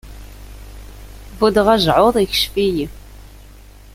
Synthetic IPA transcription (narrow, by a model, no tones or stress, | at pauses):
vud̪ʁaʒʕoðˤiç̥ʃfiji